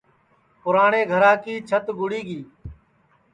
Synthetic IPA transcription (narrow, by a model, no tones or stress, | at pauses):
pʊɾaːɳeːɡʱəɾaːkiːt͡ʃʰət̪ɡʊɽiːɡiː